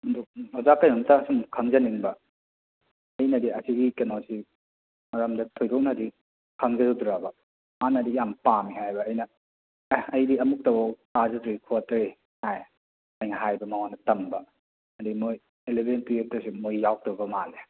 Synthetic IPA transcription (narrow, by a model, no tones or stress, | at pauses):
mɐduk̚azakɐjnomtaːsumkʰɐŋzɐniŋbɐ | ɐjnɐdiɐsiɡikenosi | mɐɾɐmdɐtʰojdok̚nɐdi | kʰɐŋzɐzodɾabɐ | manɐdijampamihajbɐːjnɐ | ɐjdiɐmuk̚tɐwawtazɐtɾikʰotɐɾi | haj | ɐjnɦajbɐmɐwanɐtɐmbɐ | ɐdimoj | ɾelebʱenpiek̚tɐsimojːawk̚towbɐmale